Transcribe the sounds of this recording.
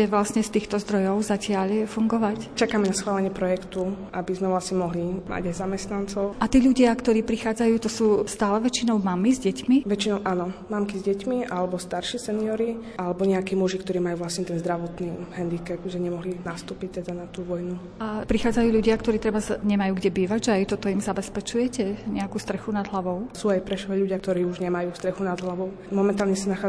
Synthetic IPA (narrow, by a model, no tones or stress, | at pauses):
ɛʋlasɲɛst̪iːxt̪ɔzd̪ɾɔjɔʊzacɪaʎfuŋɡɔʋact͡ʃakaːmɛnasxʋaːlɛɲɪɛpɾɔjɛkt̪uʔabizmɛʋlasɲɛmɔɦlima̰ɟajzamɛst̪nant͡sɔʊʔat̪iːʎuɟɪakt̪ɔɾiːpɾixaːd͡zajuːt̪ɔsuːst̪aːlɛʋɛt͡ʃinɔʊmamizɟɛcmiʋɛt͡ʃinɔʊʔaːnɔmamkizɟɛcmiʔalɛbɔst̪aɾʃiːsɛniɔɾiʔalɛbɔɲɛakiːmuʒikt̪ɔɾiːmajuːʋlasɲɛt̪ɛnzd̪ɾaʋɔt̪niɦɛnd̪ikɛpʒɛɲɛmɔɦlinast̪uːpic̚t̪ɛd̪anat̪uːʋɔjnu | apɾixaːd͡zajuːʎuɟɪakt̪ɔɾiːt̪ɾɛbazɲɛmajuːɡɟɛbiːʋaɟʒɛajt̪ɔt̪ɔimzabɛspɛt͡ʃujɛcɛɲɛakuːst̪ɾɛxunad̪ɦlaʋɔʊsuːajpɾɛʃɔɛʎuɟɪakt̪ɔɾiːuʒɲɛmajuːst̪ɾɛxunad̪ɦlaʋɔʊ | mɔmɛnt̪aːlɲɛsanaxaː